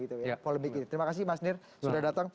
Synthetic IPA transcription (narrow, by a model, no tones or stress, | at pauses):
ɡit̪ujpoləmbikit̪it̪əɾimakas̬ɪmasnɪr | sudahdat̪aŋ